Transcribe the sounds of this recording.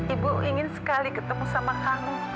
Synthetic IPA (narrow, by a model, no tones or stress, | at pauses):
ibuiŋɪnsə̥kalikət̪əmusamakamu